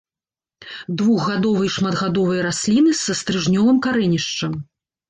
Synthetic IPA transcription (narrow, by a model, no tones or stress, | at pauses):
d̪vuɣːad̪ɔvɐjʂmɐd̪ɣad̪ɔvɐjɐɾasʲlʲinɨsɐst̪ɾɨʐnʲɔlˠɐmkaɾɛnʲiʂt͡ʂɐm